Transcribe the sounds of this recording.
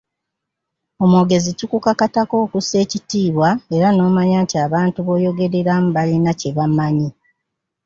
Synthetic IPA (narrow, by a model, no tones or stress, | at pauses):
o̞moɡe̞zitukukakatako̞ːkuse̞ːcitiːβwae̞ɾano̞ːmaɲaːntiaːβaːntuβo̞ːjo̞ɡe̞ɾeɾamuβalinace̞βamːaɲi